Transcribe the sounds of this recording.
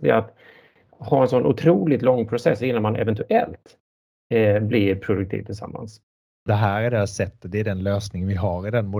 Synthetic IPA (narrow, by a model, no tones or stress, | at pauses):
d̪ɛ̰at̪ | hɑːɛnsɔnʔʊ̰t̪ʰɾuːlɪt̪lɔŋːpʰɾʊsɛsːɪnːanmanʔɛ̰vɛnt̪ɵʔɛ̰lt̪ | bliɾpʰɾʊd̪ɵkt̪ʰḭːvt̪ʰɪlsa̰mːa̰ns | d̪ɛɦæːɾæɖɛsɛt̪ːəd̪ɛːd̪ɛnløːsnɪŋənvɪɦɑɾɪd̪ɛnmʊ